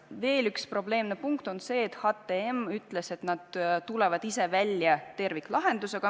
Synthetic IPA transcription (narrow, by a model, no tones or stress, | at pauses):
ve̞ːlykspro̞ble̞ːmne̞puŋkt̪o̞nse̞ːt̪hɑt̪ːe̞emyt̪ːˑle̞se̞t̪nɑd̪̥t̪ule̞vɑd̪̥ise̞vælʲjɑt̪e̞rvikːˑlɑɦe̞nd̪use̞ɡ̥ɑ